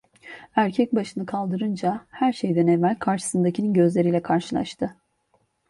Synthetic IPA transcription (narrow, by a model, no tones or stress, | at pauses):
æɾcʰɛc̚baʃɯnɯkʰalˠd̪ɯɾɯnd͡ʒahæɾʃejd̪ænemælʲkʰaɾʃɯ̥sɯnd̪acʰininɟø̞zlʲe̞ɾijlʲɛkʰaɾʃɯlˠa̰ʃt̪ʰɯ